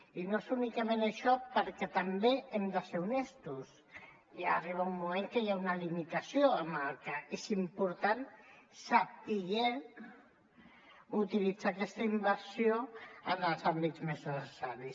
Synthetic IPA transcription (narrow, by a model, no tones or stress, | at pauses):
inoesunikəmenəʃɔpəɾkɛt̪ambeɛmd̪əseɾunest̪us | jariβ̞aumːumeŋkəjaunəlimit̪asioəmalkəesimpuɾt̪ansapiɣen | ut̪ilid͡zakɛst̪əimbəɾsioənəlˠzambid̪zmeznəsəsaɾis